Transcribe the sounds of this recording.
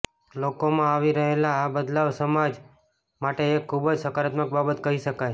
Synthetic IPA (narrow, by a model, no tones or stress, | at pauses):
lokomãaʋiɾəɦelaːbəd̪laʋsəmad͡ʒ | maʈeːkʰːubd͡ʒsəkaɾat̪mək̚babət̪kəɦiʃəkaj